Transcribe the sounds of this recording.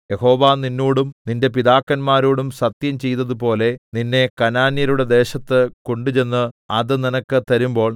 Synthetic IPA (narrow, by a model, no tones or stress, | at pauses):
je̞ho̞ːʋaːninːuːɽumninde̞piðaːkːɐnmaːɾoːɽumsɐt̪jɐmt͡ɕe̞jt̪ːɐðupo̞ːle̞ninːe̞kɐnaːnjɐɾuɽe̞d̪e̞ːɕɐt̪ːɨkoɳɖut͡ɕe̞nːɨɐðɨninɐkːɨt̪ɐɾumbo̞ːɭ